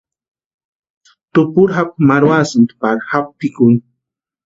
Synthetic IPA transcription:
t̪ʊpʊɾɦap̚maɾwasɨnt̪paɾhap̚pikʊn

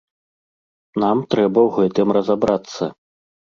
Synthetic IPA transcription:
namt̪ɾɛbɐwɣɛt̪ɨmrɐzabɾat̪sːɐ

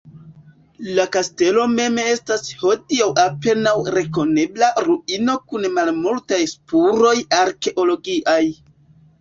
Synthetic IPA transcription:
lakaste̞lo̞me̞me̞stasho̞diawape̞nawɾe̞ko̞ne̞blaɾuino̞kunmalmultajspuɾo̞jaɾke̞ʔo̞lo̞ɡiʔaj

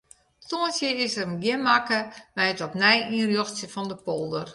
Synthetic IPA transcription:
toənsjəɪsərmɡjɪnmakəmɛjətɔpnɛjĩːnrjoxsjəfɔndəpolˠdər

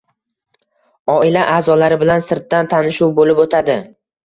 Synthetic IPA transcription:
ɒɪlaʔaːzɒlaɾɪbɪlansɪɾt̪̚ːant̪ʰanɪʃuwbolɪpot̪ʰad̪ɪ

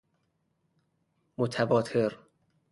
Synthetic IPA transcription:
mot̪ʰæbɒːt̪ʰeɾ

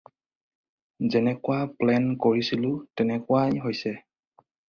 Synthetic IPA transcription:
zɛnɛkʊwaplɛnkoɹisilʊtɛnɛkʊajɦojsɛ

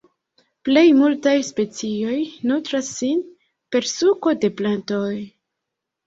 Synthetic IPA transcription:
ple̞jmultajspe̞t͡sio̞jnutɾasːin | pe̞ɾsuko̞de̞planto̞j

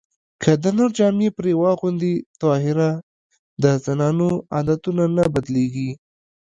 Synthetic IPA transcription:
kʰəd̪ənaɾd͡ʒɑmepɾewɑɣʊnd̪it̪ɑɦɪɾa | d̪əzanɑnoɑ̰d̪at̪unanabad̪leɡi

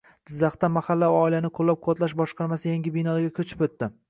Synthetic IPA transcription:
d̪̥ɪzːɑχt̪amahalːawɒilanɪqʰolːap̚qʰot̪laʃ̬bɒʃqʰɑɾmasɪjaŋɡʲɪbɪjnɒɾɡʲakʲʰɵt͡ʃʰɪ̥pɵt̪ːɪ

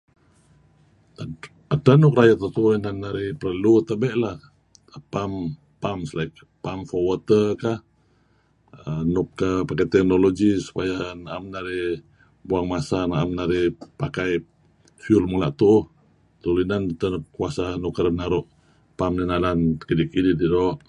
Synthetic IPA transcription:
adanʊkɾajat̪at̪unannːaɾɪhpərəlut̪əbɛʔlah | pam | pamslajk | pamfɔwɔt̪əkah | ənʊp̚kapakajt̪ɛk̚noloɡisu̥pajanaʔamnaɾɪh | buaŋmasanaamnaɾɪhpakaj | fiulmulaʔt̪uh | t̪ulinant̪anp̚kuasanukəɾbənaɾuʔ | pamninalankədikidididɔʔ

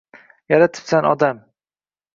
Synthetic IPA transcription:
jaɾat̪ʰɪ̥psanɒd̪am

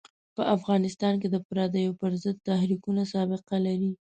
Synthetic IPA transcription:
pəʔafɣɑnɪst̪ɑnk̬ed̪əpɾɑd̪ajopəɾzəd̪̚t̪ahɾikunasɑbɪqalaɾi

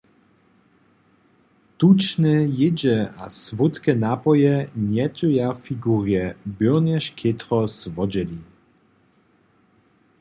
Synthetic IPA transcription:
t̪ut͡ʃnɛjɪd͡ʑɛasvut̪kɛnapɔjɛɲɛt̪ʲujafiɡuʁjɛbøwnɛʃkʰʲet̪ʁɔsvɔd͡ʑɛli

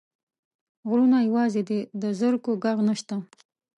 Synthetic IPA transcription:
ɣɾunajawɑzed̪ed̪əzəɾkoɡaɣnəʃt̪a

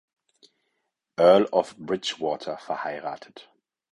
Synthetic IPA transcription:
ʔɜɐlɔfb̥ʁɪt͡ʃwɔːtʰɐfɛɐhaɪʁa̰ːtʰə̥t

